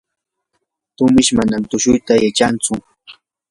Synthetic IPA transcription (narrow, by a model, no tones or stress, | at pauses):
t̪ʊmɪʃmanamt̪ʊʃʊjt̪ajat͡ʃant͡sʊ